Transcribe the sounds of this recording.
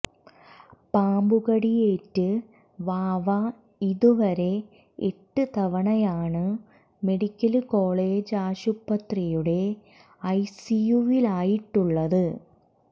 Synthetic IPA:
paːmbuɣɐɽijeːtːɨ | ʋaːʋa | iðuʋɐɾe̞ | eʈːɨt̪ɐʋɐɳɐjaːɳɨ | me̞ɽikʲːɐlko̞ːɭeːd͡ʑaːɕupːɐt̪rijuɽe̞ | ɐjsijuʋilaːjiʈːuɭːɐðɨ

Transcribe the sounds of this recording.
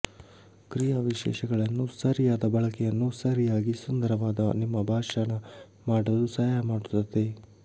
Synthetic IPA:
kɾijaʋiʃɛ̰ːʃɐɡɐɭɐnːusɐɾijaːd̪ɐbɐɭɐkɛjɐnːusɐɾijaːɡisund̪ɐɾɐʋaːd̪ɐnimːɐbʱaːʂanɐ | maːɽɐlusɐjamaːɽut̪ːɐt̪ːe

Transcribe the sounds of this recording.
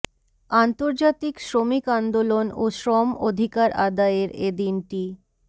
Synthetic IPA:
ant̪oɾd͡ʑat̪ikʃɾomikand̪olonoʃɾɔmod̪ʱikaɾʔa̰d̪aeɾed̪inʈi

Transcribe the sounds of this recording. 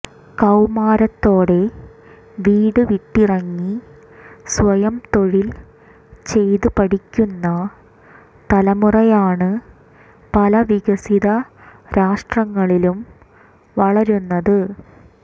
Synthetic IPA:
kɐwmaːɾɐt̪ːo̞ːɽe | ʋiːɽɨʋiʈːirɐŋːi | sʋɐjɐmt̪o̞ɻil | t͡ɕe̞jðɨpɐɽikʲːunːɐ | t̪ɐlɐmurɐjaːɳɨ | pɐlɐʋiɡɐsiðɐɾaːʂʈrɐŋːɐɭilum | ʋɐɭɐɾunːɐðɨ

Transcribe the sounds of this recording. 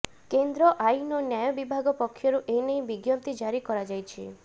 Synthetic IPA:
kend̪ɾɔʔajnɔnjajɔbibʱaɡɔpɔkʰːjɔɾuʔejnej̃biɡjɔnt̪id͡ʒaɾikɔɾad͡ʒajt͡ʃʰi

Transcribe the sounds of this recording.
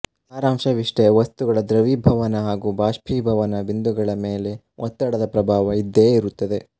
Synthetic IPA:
aːɾaːmʂɐʋiʂʈeʋɐst̪uɡɐɭɐd̪ɾɐʋiːbʱɐʋɐnɐɦaːɡuːbaːʂpʰiːbʱɐʋɐnɐbind̪uɡɐɭɐme̞ːle̞ | ʔɔt̪ːɐɽɐd̪ɐpɾɐbʱaːʋɐid̪ːeːiɾut̪ːɐd̪e̞

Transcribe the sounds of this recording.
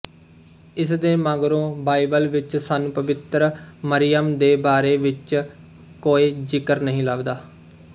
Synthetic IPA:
ɪsd̪eːmãːɡɾõːbaːibəlʋɪt͡ʃsaːnũːpəʋɪt̪ɾməɾɪjəmd̪eːbaːɾeːʋɪt͡ʃ | koːiːd͡ʒɪkəɾnəɦĩːləʋd̪aː

